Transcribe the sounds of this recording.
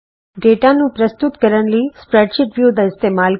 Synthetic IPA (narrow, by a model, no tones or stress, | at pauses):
ɖeːʈanũːpɾɐst̪ʊt̪kəɾəɳlispɾeːɖʃɪʈʋjuːd̪ʱɪst̪eːmaːl